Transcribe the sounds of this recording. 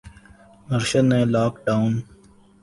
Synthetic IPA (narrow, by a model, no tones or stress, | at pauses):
məɾʃənːẽːlaːkɖaːun